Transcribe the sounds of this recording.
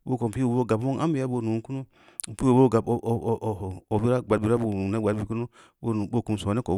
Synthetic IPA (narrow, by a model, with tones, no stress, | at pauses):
bo˦ko˨m˨pi˦wo˨bo˦˨ɡa˨bmo˦ŋa̰˦mbi˨ja˦bo˨nu˨ŋku˦no˦˨ | pi˦wo˨bo˦˨ɡa˨bo˨bi˦ɾa˦ɡ͡ba˨bi˨ɾa˦bo˨nu˨na˦˨ɡ͡ba˨bi˨ku˦no˦ | o˦˨bo˦˨ku˨m˨so˨a˨ne˦ko˨